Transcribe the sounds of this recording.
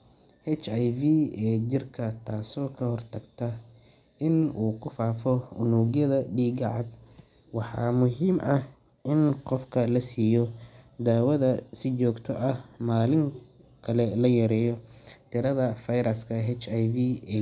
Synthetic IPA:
hɛt͡ʃajviɛːt͡ʃɪrkʰɐt̪ʰaːsɔːkʰɐhɔrt̪ʰɐɡt̪ʰɐ | ʔɪnuːkʰʊfaːfɔʊnuːɣjɐðɐɖiːɡɑʕɑd̪ | wɑħɑ̰ːmʊɦiːmʔɐh | ʔɪnqɔfkʰɐlɐsiːjɔd̪aːwɐðɐsɪt͡ʃɔːɡt̪ʰɔʔɐhmaːlɪŋkʰɐlɛlɐjɐɾɛːjɔt̪ʰɪɾɐðɐfɐjɾɐskʰɐɦɛt͡ʃɐjviɛː

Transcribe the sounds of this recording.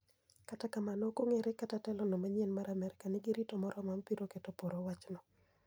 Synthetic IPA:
katakamanɔkoŋeɾekatatɛlɔnomaɲɛnmaɾamɛɾɪkanɪɡɪɾitomɔɾɔmampiɾoketopoɾowat͡ʃnɔ

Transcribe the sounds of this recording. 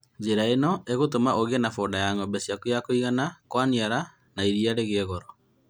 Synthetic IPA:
d͡ʑeɾaenɔʔeɣotomaʔoɣenafondajaŋɔmbɛsiakujakoiɣanakwaniaɾa | naiɾiaɾeɣeɛɣɔɾɔ

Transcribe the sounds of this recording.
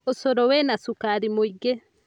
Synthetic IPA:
osɔɾɔwenasukaɾimuiɡe

